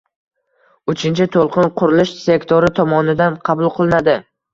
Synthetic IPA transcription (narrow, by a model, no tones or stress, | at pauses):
ʊt͡ʃʰɪnt͡ʃʰɪt̪ʰolˠqɨnqʰʊɾɪlɪʃse̞kt̪ʰoɾɪt̪ʰɒmɒnɪd̪anqʰɑbʊlˠqʰɨlˠɪnad̪ɪ